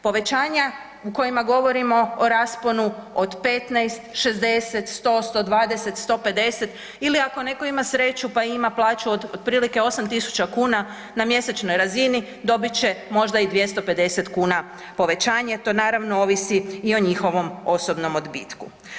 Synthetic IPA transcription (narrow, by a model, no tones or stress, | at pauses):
po̞ʋe̞t͡ɕaːɲa | uko̞jimaɡo̞ʋo̞ɾimo̞oɾaspo̞nuod̪pe̞t̪najst̪ʃezd̪e̞se̞t̪st̪o̞st̪o̞d̪ʋaːd̪e̞se̞t̪st̪o̞pe̞d̪e̞se̞t̪ | iliako̞ne̞ko̞imasɾe̞t͡ʃupaimaplˠaːt͡ʃuood̪̚pɾiːlike̞o̞samt̪isu̥t͡ɕakuːna | namje̞set͡ʃno̞jɾazini | d̪o̞bit͡ɕe̞mo̞ʒd̪aid̪ʋje̞st̪o̞pe̞d̪e̞se̞t̪kuːna | po̞ʋe̞t͡ɕaːɲat̪o̞ːnaːɾaʋnoo̞ːʋisiio̞ɲixo̞ʋo̞mo̞so̞bno̞mo̞d̪bḭt̪kṵ